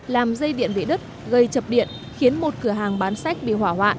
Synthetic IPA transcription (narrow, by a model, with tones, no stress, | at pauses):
laː˨˩mzə˧jɗḭ˧˨ənvḭ˧˨˩ɗɨ˦˥t̚ | ɣə˧˩jt͡ɕə˨˩p̚ɗḭ˧˨ən | xi˨˦ənmo˨˩t̚kɨ˧˩əɦaː˨˩ŋɓaː˨˦nsa˦˥jk̟̚ɓḭ˧˨waː˧˩ɦwa̰ː˧˨ʔ